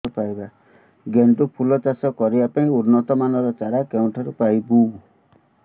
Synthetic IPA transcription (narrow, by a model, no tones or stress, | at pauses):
ɔpaiba | ɡenʈupʰulɔt͡ʃasɔkɔɾibapaĩuɾnɔt̪ɔmanɔɾɔt͡ʃaɾakeũʈʰaɾupajbu